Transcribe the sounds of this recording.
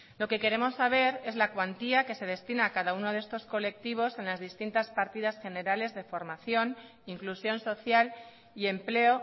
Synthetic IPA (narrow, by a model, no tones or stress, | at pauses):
lo̞ke̞ke̞ɾe̞mo̞sːaβ̞e̞ɾe̞zlakwant̪iake̞se̞ð̞e̞st̪inaːkaðauno̞ðe̞st̪o̞sko̞le̞k̚t̪iβ̞o̞se̞nlazðist̪int̪aspaɾt̪iðasxe̞ne̞ɾale̞zðe̞fo̞ɾmaθjo̞n | iŋklusjo̞nso̞θjal | ie̞mple̞o̞